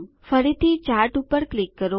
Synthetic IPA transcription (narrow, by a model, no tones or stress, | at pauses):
fəɾit̪ʰit͡ʃaɾʈupəɾklɪkːəɾo